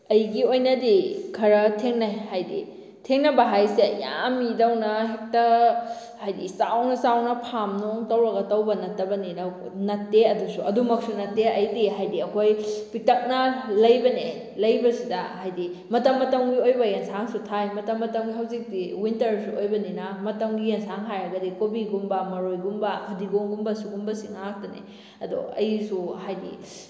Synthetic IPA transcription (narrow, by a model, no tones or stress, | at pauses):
ɐjɡiojnɐdikʰɐɾɐtʰeŋnajhajdḭ | tʰeŋnɐbɐɦajseja̰mːidɐwnɐɦek̚tɐ | hajdḭsawnɐsawnɐpʰamnoŋtɐwɾɐɡɐtɐwbɐnɐtːɐbɐninɐwnɐtːeɐdusuɐdumɐk̚sunɐtːeɐjdiɦajdiɐkʰojpik̚tɐk̚nɐlɐjbɐne | lɐjbɐsidɐɦajdimɐtɐmːɐtɐmɡiojbɐjansaŋsutʰajmɐtɐmːɐtɐmɡiɦɐwzik̚diwintɐɾsuojbɐninɐmɐtɐmɡijensaŋɦajɾɐɡɐdikobiɡumbɐmɐɾojɡumbɐkʰɐdiɡoŋɡumbɐsuɡumbɐsiŋak̚tɐnḛ | ɐdṵɐ̰jisuhajdḭ